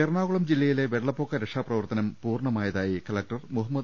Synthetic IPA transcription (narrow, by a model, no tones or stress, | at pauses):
erɳaːɣuɭɐmd͡ʑilːɐjile̞ʋeɽːɐpːokːɐɾekʂaːprɐʋɐrt̪ɐnɐmpuːrɳɐmaːjɐðaːjikɐlɐk̚ʈɐrmuɦɐmːɐd̪